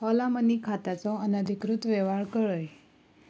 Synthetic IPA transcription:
hɔlamənikʰat̪at͡sɔ̃ənəd̪ʱikɾut̪ʋɛʋaɭkəɭəj

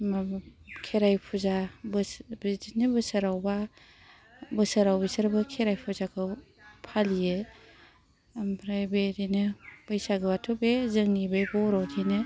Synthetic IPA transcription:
makʰeɾajpʰuzabbidinɯbɯsaɾawba | bɯsəɾawbisaɾbɯkʰeɾajpʰuzakʰɯ | pʰalije | mpʰɾajbedinɯb̥ɯjsaɡɯbatʰubezɯŋnibɯjbɔɾawtʰinɯ

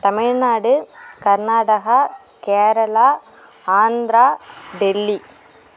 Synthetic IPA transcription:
t̪ɐmɪɻnaːɽɯkɐɾnaːɽɐɣɐ | keːɾɐlaː | aːnd̪ɾaːɖɛlːi

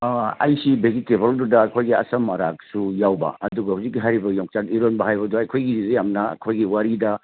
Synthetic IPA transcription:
ɐ̰jsibed͡ʒitebɐldudɐːkʰojɡiɐ̰sɐmːɐɾa̰k̚sujawbɐ̰ɐduɡɐhuzikːiɦaɾibɐjoŋt͡ʃakiɾonbɐɦajbɐduɐjkʰojɡiɾizɐjamnɐɐ̰kʰojɡiwaɾidɐ

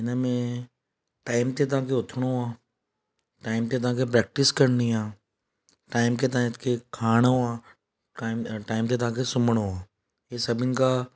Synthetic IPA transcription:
ɪnamẽ | ʈaːɪmt̪et̪̬ãːk̬eʊt̪ʰɽ̃ooãː | ʈaːɪmt̪et̪ãːkep̬ɾɛːk̚ʈɪskəɾniãː | ʈaːɪmket̪ãt̪kekʰaːɽ̃ɦoãː | aːɪʈaːɪmt̪̬et̪ãːkesʊməɽoãː | jesɐbɪnka

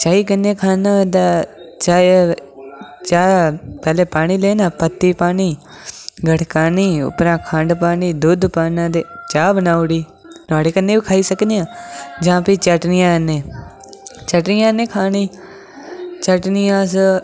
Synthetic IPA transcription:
t͡ʃaːiːkənːeːkʰaːnaːd̪aːt͡ʃaː | t͡ʃaːpɛːleːpaːɽiːleːnãːpət̪ːiːpaːniː | ɡʱəʈʰkaːniːʊ̰pɾãːkʰə̃ɳɖpaːniːd̪uːd̪paːnãːd̪eːt͡ʃaːbənaːuɽiː | t̪ʊaːɽeːkənːeːbiːkʰaːiːsəkneːãːd͡ʒãːpit͡ʃəʈnɪjãːkənːeː | t͡ʃəʈnɪjãːnẽːkʰaːniː | t͡ʃəʈnɪjãːs

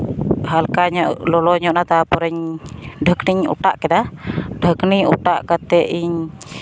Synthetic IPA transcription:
ɦalkaɲɔʔlɔlɔɲɔʔnat̪apɔɾɛɲdəkniɲṵʈaʔkɛd̪adəkniɲṵʈaʔkat̪ɛʔiɲ

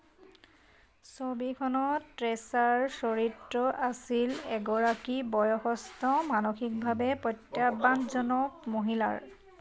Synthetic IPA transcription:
sobikʰɔnɔtɹɛsaɹsoɹitɹɔʔasilɛɡɔɹakibɔjɔxɔstɔmanoxik̚bʱabɛpɹɔtːjabanzɔnɔkmoɦila̰ɹ

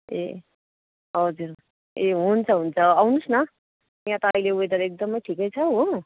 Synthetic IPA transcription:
ḛ | ɦʌd͡zuɾ | eɦunt͡sʰʌɦunt͡sʰʌawnusnʌ | jãt̪ʌːɦĩleued̪ʌɾek̚d̪ʌmʌjʈʰikʌjt͡sʰʌɦo

